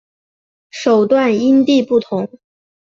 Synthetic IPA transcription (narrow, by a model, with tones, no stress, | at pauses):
ʂo˨˩ʊt̪wa˥˩ni˥nt̪i˥˧pu˥˩t̪ʰʊ˧˥ŋ